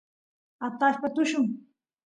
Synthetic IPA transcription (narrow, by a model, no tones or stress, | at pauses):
at̪aʃpat̪ʊʃʊŋ